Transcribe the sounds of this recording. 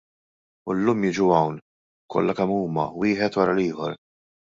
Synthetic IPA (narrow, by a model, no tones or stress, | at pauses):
ʊlːuːmjɪd͡ʒuɐwn | kʰɔ̰lːɐkɛmːuːmɐwɪːħɛt̪wɐɾɐliːħɔɾ